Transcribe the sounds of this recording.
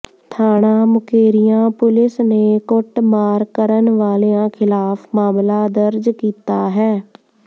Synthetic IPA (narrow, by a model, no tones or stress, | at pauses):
t̪ʰaːɽ̃aːmʊkeːɾɪjãːpʊlɪsneːkʊʈmaːɾkəɾənʋaːleːãːkʰɪlaːpʰmaːmlaːd̪əɾd͡ʒkiːt̪aːɦɛː